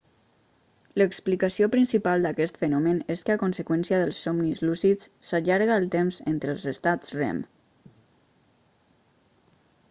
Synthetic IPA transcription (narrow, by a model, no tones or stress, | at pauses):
ləksplikəsiopɾinsipalˠd̪akɛst̪fənɔməneskəakonsəkwɛnsiəðəlˠsːɔmnizlusisːaʎaɾɣaːlˠt̪emzḛnt̪ɾəːlˠzəst̪ad͡zrɛ̰m